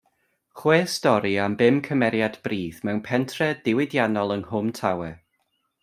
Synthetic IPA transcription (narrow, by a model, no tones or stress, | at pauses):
χweːstɔɾiambɪmkʰəmɛɾjadb̥riːðmɛwnpʰɛntʰrɛd̥ɪwɪdjanɔlˠənhʊmtʰawɛ